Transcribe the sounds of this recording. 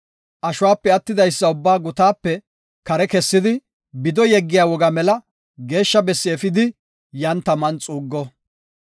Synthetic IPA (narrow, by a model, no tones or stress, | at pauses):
ʔɐʃʊwaːpːɛɐt̪ːɪd̪ɐjsːɐʊbːaːɡʊt̪aːpːɛ | kɐɾɛkɛsːɪd̪ɪ | bɪd̪ɔjɛɡːɪjaːwɔɡɐmɛlɐ | ɡe̞ːʃːɐbɛsːɪɛfɪd̪ɪ | jɐnt̪ɐmɐnt͡sʼuːɡːɔ